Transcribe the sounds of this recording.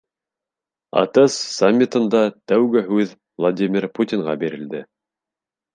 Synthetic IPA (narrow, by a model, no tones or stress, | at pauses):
ɑ̰t̪ɤssamʲːit̪ɤ̆nd̪ɑt̪æwɡɘɦʉð | vlˠad̪ʲimʲɪɾput̪ʲiɴʁɑbiɾɘ̆ld̪ɘ